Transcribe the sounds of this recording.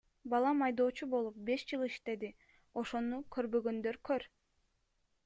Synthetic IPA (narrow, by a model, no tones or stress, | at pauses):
bɑlˠɑmɑjd̪o̞ːt͡ʃubo̞lˠup̚be̞ʃd͡ʒɯlˠiʃt̪e̞d̪i | o̞ʃo̞nukʰø̞ɾbø̞ɡø̞nd̪øɾkʰøɾ